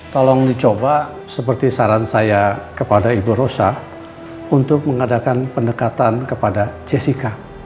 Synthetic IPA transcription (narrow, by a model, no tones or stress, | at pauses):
t̪ɔlɔŋdit͡ʃoba | səpərt̪isaɾansajakəpadaibuɾosa | unt̪ʊk̚məŋadakanpəndəkat̪ankəpadad͡ʒesika